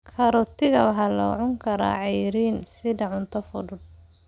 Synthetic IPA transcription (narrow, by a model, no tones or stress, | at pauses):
kʰɐɾɔt̪ʰɪɣɐwɑħɑːlɐ̰ʕʊŋkʰɐɾa̰ːʕɛjɾiːnsɪdɐʕʊnt̪ʰɐfʊðʊd̪̚